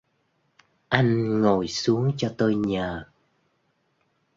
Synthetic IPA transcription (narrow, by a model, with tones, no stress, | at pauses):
ʔa˧jŋ̟ŋo˨˩jsu˨˦əŋt͡ɕɔ˧t̪o˧jɲəː˨˩